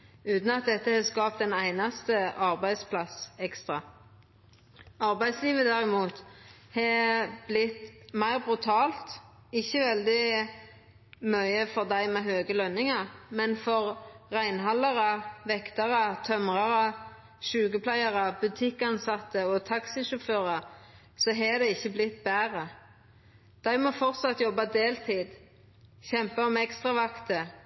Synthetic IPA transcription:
ʉːt̪n̩ɑt̪̚d̪ɛt̪ːəhɛskɑːpt̪ɛnæɪnɑst̪əʔɑʁbæɪd̪spʰlɑsɛkst̪ʁɑ | ɑʁbæɪd̪sliːʋəd̪æʁɪmuːt̪hɛb̥lɪt̪mæɪʁbʁʉt̪ʰɑːlt̪ɪçːəʋɛld̪ɪ | mœʏəfɔʁd̪æɪmɛɦøːɡəlœnːɪŋɑʁmɛnfɔʁʁæɪnɦɑlːɑʁəʋɛkt̪ɑʁət̪ʰœmʁɑʁə | ʃʉːɡəpʰlæɪɑʁəbʉt̪ʰɪkːɑnsɑt̪ːəɔt̪ʰɑksɪʃʊføːʁɑ | sɔɦɛd̪ɛɪçːəblɪt̪ːbæːʁə | d̪̥æɪmɔfɔʁt̪sɑt̪ːjɔbːɑd̪eːlt̪ʰiːd̪ | çɛmpɑmɛɛkst̪ʁɑʋɑkt̪ə

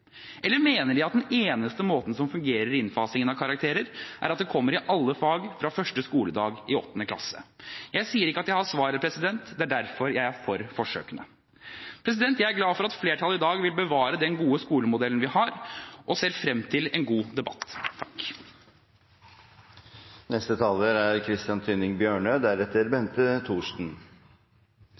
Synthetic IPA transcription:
ʔɛlːəɾmeːnəɖɪɑt̪̚d̪ɛneːnəst̪əmoːt̪n̩sɔmfʉŋɡeːɾəɾɪnfɑːsɪŋənɑʋkʰɑɾɑkt̪ʰeːɾəɾʔæ̰ɾɑt̪̚d̪ɛkʰɔmːəɾɪʔɑlːəfɑːɡfɾɑfœʂʈəskuːləd̪ɑːɡɪɔ̰t̪ːnəkʰlɑ̰sə̰jæɪsiːəɾɪkːəɑt̪jæɪhɑsʋɑːɾəɾpʰɾɛsɪd̪ɛnt̪d̪ɛæɖæɾfɔɾjæɪæɾfɔɾfɔʂø̰ːkənə̰ | pʰɾɛs̬ɪd̪ɛnt̪jæɪæɾɡlɑːfɔɾɑt̪fleːʈʰɑlɪd̪ɑːɡʋɪlbəʋɑːɾəd̪ɛnɡuːəskuːləmʊd̪ɛln̩ʋɪhɑɾʔɔseːɾfɾɛmt̪ʰɪlɛnɡuːd̪ɛbɑ̰t̪ːʰɑ̥k | nɛst̪ət̪ʰɑːləɾæɾkʰɾɪst̪ɪɑnt̪ʰʏnɪŋbjøːɳød̪æɾɛt̪ːəɾbɛnt̪ət̪ʰuːʂn̩

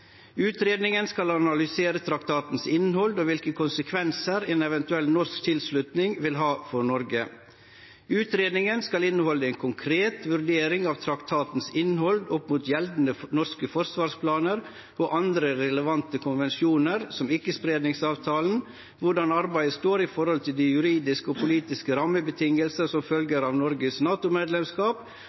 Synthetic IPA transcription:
ʉːt̪ɾeːd̪nɪŋənskɑlɑnɑlʏseːɾət̪ʰɾɑkt̪ʰɑːt̪n̩sɪnːhɔld̪oːʋɪlkəkʰʊnsəkʰʋɛnsəɾeːnɛʋɛnt̪ʉɛlnɔɾskt̪ʰɪlslʉt̪nɪŋʋɪlɦɑːfɔɾɳɔɾɡə | ʉːt̪ɾeːd̪nɪŋənskɑlɪnːəhɔləeːnkʰʊŋkʰɾeːt̪ʋʉɾɖ̪eːɾɪŋɑːʋt̪ʰɾɑkt̪ʰɑːt̪n̩sɪnːhɔld̪ɔpmuːt̪jɛld̪n̩ənɔɾskəfɔɾsʋɑːɾʂpʰlɑːnəɾ | ɔʔɑnd̪ɾəɾɛləʋɑnt̪əkʰʊnʋɛnsuːnəɾsɔmɪkːəspɾeːd̪nɪŋsɑːʋt̪ʰɑːln̩ | ʋʊɖɑnɑɾbæɪəst̪oːɾɪfɔɾhɔlt̪ʰɪld̪ijʉɾiːd̪ɪskəɔpʰʊliːt̪ɪskəɾɑmːəbət̪ʰɪŋəlsəsɔmfœlɡəɾɑːʋnɔɾɡəsnɑːt̪ʊmeːd̪lɛmskɑːp

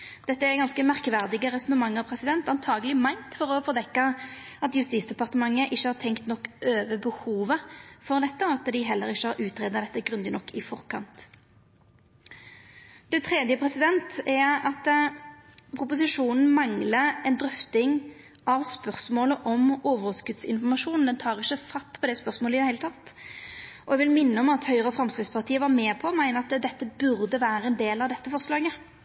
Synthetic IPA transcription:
d̪̥ɛt̪ːəæɡɑnskəmæʁkʋæʁd̪ɪɡəɾɛsɔnəmɑŋːɑpʰɾɛsɪd̪ɛnt̪ɑnt̪ʰɑːɡəlɪmæɪnt̪fɔɾɔfɔʁd̪ɛkːɑɑt̪jʉst̪iːsd̪ɛpɑʁt̪əmɑŋːəʔɪçːəhɑːɾt̪ʰɛŋkt̪nɔkːøːʋəbəhuːʋəfɔʁd̪ɛt̪ːəɑt̪d̪ɪɦɛlːəɾɪçːəhɑɾʉːt̪ɾeːd̪əd̪ɛt̪ːəɡɾʉnd̪ɪnɔkːɪfɔʁkʰɑ̰nt̪ | d̪̥ɛt̪ʰʁeːd̪jəpʰɾɛsɪd̪ɛnt̪ɛɑt̪ | pʰʁʊpʊsɪʂuːnn̩mɑŋləɛnd̪ɾʏft̪ɪŋ | ʔɑʋspœʁsmoːləʔɔmoːʋəʁskʉd̪sɪ̰nfɔʁmɑʂuːnn̩d̪ɛnt̪ʰɑːʁɪçːəfɑst̪pʰɔd̪ɛːspœʁsmoːləɪd̪ɛhæɪlət̪ʰɑt̪ː | ɔɛɡʋɪlmɪnːəɔmɑt̪hœʏʁəfɾɑmskɾɪt̪spʰɑʁt̪ʰiːəʋɑɾmeːpʰɔmæɪnəɑt̪d̪ɛt̪ːəbʉɾd̪əʋæːɾəɛnd̪eːlɑʋd̪ɛt̪ːəfɔʁslɑːɡə

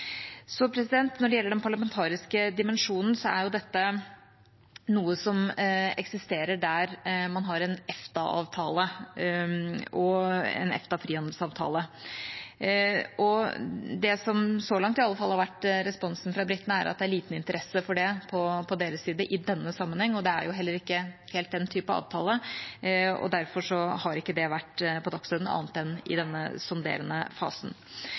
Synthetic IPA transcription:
sɔpʰɾɛsɪd̪ɛnt̪nɔɖɛjɛlːəɖɛnpʰɑɭɑmɛnt̪ʰɑːɾɪskəd̪ɪmɛnʂuːnn̩sɔæ̰ɾjʊd̪ɛt̪ːə | nuːəsɔmɛksɪst̪eːɾəɖæɾmɑnɦɑɾɛnɛft̪ɑʔɑ̰ːʋt̪ʰɑ̰ːlə | ɔɛ̰nɛ̰ft̪ɑfɾiːhɑnd̪əlsɑːʋt̪ʰɑ̰ːlə | ɔd̪ɛsɔmsɔlɑŋt̪ɪɑlːəfɑlːhɑɾʋæʈːɾɛspɔnsnfɾɑbɾɪt̪ːənəæɾʔɑ̰t̪̚d̪ɛæɭiːt̪nɪnt̪əɾʔɛsːəfɔɖɛpʰɔpʰɔd̪eːɾəssiːd̪əʔɪd̪ɛnːəsɑmːənhɛŋːɔd̪ɛæ̰ɾjʊɦɛlːəɾɪkːəheːlt̪̚d̪ɛnt̪ʰyːpɑɑ̰ːʋt̪ʰɑːlə | ɔ̰d̪æɾfɔʂɔhɑɾɪkːəd̪ɛʋæʈːpʰɔd̪ɑksɔd̪n̩ɑ̰ːnət̪ɛnːɪ̰d̪ɛnːə̰sʊnd̪ḛːɾənə̰fɑ̰ːsn̩

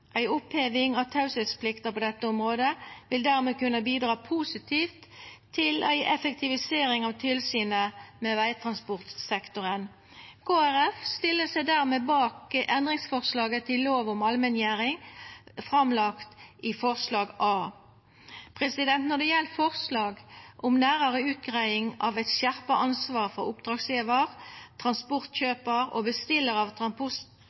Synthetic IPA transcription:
ʔæɪʊpheːʋɪŋɑʋt̪ʰɑʉsət̪spʰlɪkt̪əʁpoːd̪ɛt̪ːəʊmʁoːd̪əʋɪld̪æːʁmeːkʉnːəbiːd̪ʁɑːpʰuːsɪt̪ʰiːft̪ʰː | ɪlæɪʔɛfək̚t̪ʰɪʋɪseːɾɪŋɑʋt̪ʰɪlsyːnəmeːʋæɪt̪ʰʁɑnspʊʁt̪sɛkt̪ʊʁən | kʰoːæʁɛfst̪ɪlːəsæɪd̪æʁmeːbɑːkəʔɛnd̪ʁɪŋsfɔʁslɑːɡət̪ʰɪllːoːʋʊmɑlmɛnjæːʁɪŋfʁɑmlɑkt̪ʔifɔʁslɑːɡʔɑː | pʰʁɛsɪd̪ɛnt̪nɔd̪ɛjɛlːəfɔʁslɑːɡʔʊmnæːʁəʁəʉːt̪ɡʁæɪɪŋɑʋɛt̪ʃjæʁpəʔɑnsʋɑːʁfɔʁʊpd̪ʁɑːɡsjeːʋəʁt̪ʰʁɑnspʊʁt̪çøːpəʁo̰ːbəst̪ɪlːəʁɑʋt̪ʰʁɑnpʊs

